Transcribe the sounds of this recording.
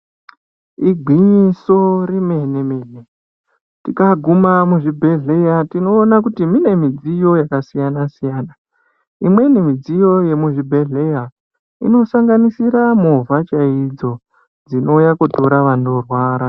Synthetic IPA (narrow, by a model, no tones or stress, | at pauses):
iɡʱwiɲiso̞rime̞nemeːne̞ | tikaɡʱumamuʐibʱe̞ɮejatino̞ːnakutimine̞mid͡zijo̞jakasijanasijaːna | imwe̞nimid͡zijo̞je̞muʐibʱe̞ɮe̞ja | ḭno̞saŋɡanisiɾamovʱat͡ʃaid͡zo̞ | d͡zino̞jakutoɾaʋano̞rwaːɾa